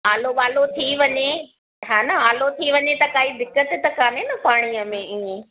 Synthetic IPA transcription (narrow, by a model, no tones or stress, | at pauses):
aːloɓaːlot̪ʰiʋɐɲe | ɦaːnɐaːlot̪ʰiʋɐɲet̪ɐkaːɦid̪ɪkːət̪t̪ɐkaːnenɐpaːɽ̃ijəmẽiːẽ